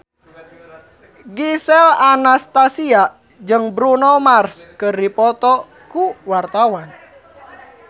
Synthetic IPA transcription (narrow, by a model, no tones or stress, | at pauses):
ɡisɛlanast̪asia | d͡ʒɨŋbɾunɔmarskərdipɔt̪ɔ | kuwart̪awan